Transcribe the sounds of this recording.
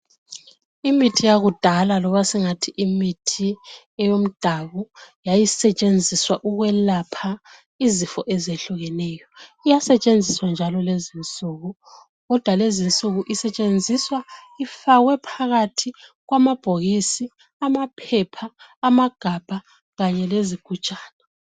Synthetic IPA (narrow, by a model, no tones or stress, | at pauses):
imitʰijaɣud̥ʱalalɔβasiŋatʰiʔimitʰi | ɛjom̩d̥ʱaβujajisɛt͡ʃʼend͡zʱiswaʔuɣwɛlapʰa | izifɔʔɛzeɬuɣɛnɛːjɔijasɛt͡ʃʼend͡zʱiswand͡ʒʱalɔlezint͡sʼuːɣu | ɣɔd̥ʱwalezint͡sʼuɣuʔisɛt͡ʃʼend͡zʱiswaifaɣwɛpʰaɣatʰiɣwamab̥ʱoɣisi | amapʰɛpʰaːmaɡ̥ʱab̥ʱa | ɣaɲɛleziɡ̥ʱut͡ʃʼaːnɛ